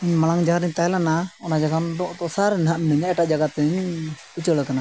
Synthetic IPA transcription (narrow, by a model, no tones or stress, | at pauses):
iɲmalaŋd͡ʒaaɾəɲt̪ajlanaɔnad͡ʒaɡand̪ɔʔt̪ɔsaɾnɦaʔmnəɲaʔɛʈaʔd͡ʒaɡat̪əɲ | ut͡ʃəɭkana